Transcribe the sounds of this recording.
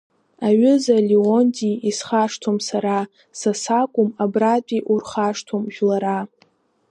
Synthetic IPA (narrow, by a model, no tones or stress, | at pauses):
aɥʏzaliontʰʼiisχaʂtʰomsaɾa | sasakʷʼʊmabratʼiʔurχaʂtʰomʒᶣlaɾa